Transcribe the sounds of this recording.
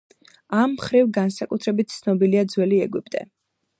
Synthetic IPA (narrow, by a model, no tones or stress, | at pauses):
amːχɾivɡansakʼut̪ʰɾɛbit̪̚t̪sʰnɔbiliad̪zwɛliɛɡwipʼd̪ʼɛ̰